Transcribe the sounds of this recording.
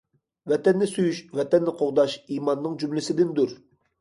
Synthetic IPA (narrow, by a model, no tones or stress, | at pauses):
vɛt̪ɛnːɪsyjyʃvɛt̪ɛnːɪqʰoʁd̪ɑʃiːmɑnːɨŋd͡ʒymlɪsɪd̪ɪnd̪uɾ